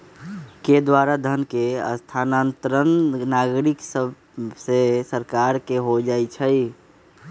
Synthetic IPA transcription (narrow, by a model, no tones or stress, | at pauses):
ked̪waɾad̪ʱənkeə̰st̪ʰanant̪ɾənnaɡɾiksəb | sesəɾkaɾkeɦod͡ʒajt͡ʃʰəj